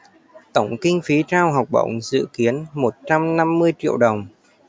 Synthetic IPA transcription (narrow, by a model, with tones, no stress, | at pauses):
t̪ə˧˩wŋ͡mkï˧ŋ̟fi˨˦t͡ɕaː˧wɦa˨˩wk͡p̚ɓə̰˧˩wŋ͡mzɨ̰˧˨ki˨˦ənmo˨˩t̚t͡ɕa˧mna˧mːɨ˧əjt͡ɕḭ˧˨əwɗə˨˩wŋ͡m